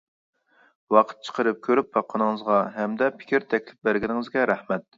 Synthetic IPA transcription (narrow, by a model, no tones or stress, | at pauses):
wɑqʰə̥t̪̚t͡ʃʰə̥qʰəɾɨp̚kʲʰøɾyp̚bɑqʰːənɨŋɨzʁɑɦɛmd̪ɛpʰɪ̥kʲiɾt̪ʰɛkʲlɪp̚bæɾɡʲɪnɪŋɪzɡʲɛɾɛhmɛt̪̚